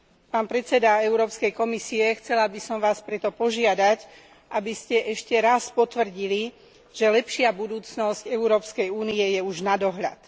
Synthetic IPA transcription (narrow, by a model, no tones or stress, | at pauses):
paːnpɾɛt͡sɛd̪aɛʊɾɔːpskɛjkɔmisiɛxt͡sɛlabisɔmʋaːspɾɛt̪ɔpɔʒɪad̪ac | ʔabiscɛʔɛʃcɛɾaspɔt̪ʋr̩ɟili | ʒ̥ɛlɛpʃɪabud̪uːt͡snɔscɛuɾɔːpskɛjuːniɛjɛuʒnad̪ɔɦʎa̰t̪